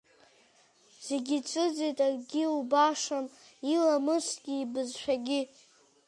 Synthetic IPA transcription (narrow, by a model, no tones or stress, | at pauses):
z̥e̞ɡʲit͡sʷʼɨd͡zitʼarɡʲiubaʂamilamɨsʷɡʲiːbɨzʃʷᶣaɡʲi